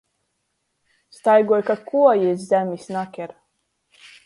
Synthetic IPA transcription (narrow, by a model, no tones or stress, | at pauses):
st̪ajɡuɔjkakʰuɔjizzʲæmʲisʲnakʲɛɾ